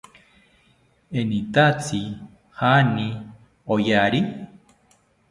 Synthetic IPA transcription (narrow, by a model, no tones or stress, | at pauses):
enit̪at͡si | hanĩ | ojaɾi